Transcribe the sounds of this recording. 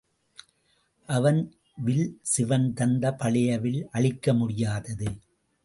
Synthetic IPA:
ʔɐʋɐn | ʋɪlsɪʋɐnd̪ɐnd̪ɐpɐɭɐjɐʋɪlʔɐɭɪkːɐmʊɽɪjaːðɐðɯ

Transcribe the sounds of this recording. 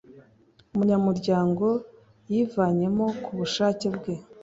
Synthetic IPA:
umuɲamuɾɟaːŋɡo̞ | jivaːɲe̞mo̞kʰuβuʃaːcebɡe̞

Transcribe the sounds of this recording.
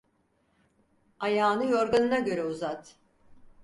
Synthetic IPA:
ajaːnɯjo̞ɾɡanɯnaɟø̞ɾɛuzat̪

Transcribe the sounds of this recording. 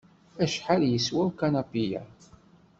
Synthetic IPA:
æʃħaljəswæwkanapijæ̰

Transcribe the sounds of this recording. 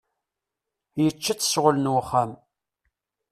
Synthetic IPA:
jət͡ʃːat͡sːə̥sʁələnwəχːam

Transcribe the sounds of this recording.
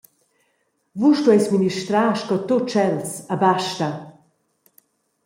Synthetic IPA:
vuʃtuɛjsminiʃt̪ɾaːʃkɔt̪ot͡ʃɛlsabaʃtɐ

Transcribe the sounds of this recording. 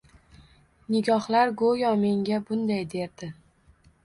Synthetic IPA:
nɪɡʲɒhlaɾɡojɒme̞ŋɡʲabʊnd̪ajd̪e̞ɾd̪ɪ

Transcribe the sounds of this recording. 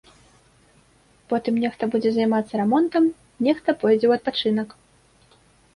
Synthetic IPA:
pɔt̪ɨmnʲɛxt̪ɐbud͡zʲɛzɐjmat̪sːɐɾɛmɔnt̪ɐm | nʲɛxt̪ɐpɔjd͡zʲɛwɐt̪̚pat͡ʂɨnɐk

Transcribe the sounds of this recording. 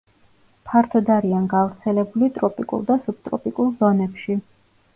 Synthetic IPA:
pʰaɾt̪ʰɔd̪aɾianɡavɾt̪sʰɛlɛbulit̪ʼɾɔpʼikʼṵlˠd̪asup̚t̪ʼɾɔ̰pʼikʼulˠzɔnɛpʃi

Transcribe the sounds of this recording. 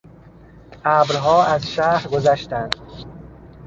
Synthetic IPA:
ʔæːbɾɦɒːæzʃæːɾɡozæʃt̪ænd̪̥

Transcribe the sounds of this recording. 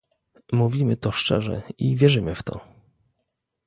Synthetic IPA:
muvʲimɘt̪ɔʂt͡ʂɛ̰ʐɛ̰ivʲjɛʐɘmɘft̪ɔ̰

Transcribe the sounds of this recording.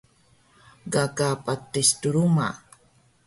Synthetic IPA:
ɡakapatːistuɾuma̰

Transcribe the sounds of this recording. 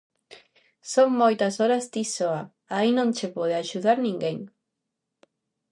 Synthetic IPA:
soŋmojt̪ɐsoɾazd̪isoa | ainõŋt͡ʃepoð̞eaʃuðaɾnĩŋɡeŋ

